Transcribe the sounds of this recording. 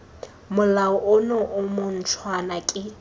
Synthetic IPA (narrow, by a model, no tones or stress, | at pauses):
mʊlaʊʔʊnɔʔʊmʊn̩t͡sʰwanakʼɪ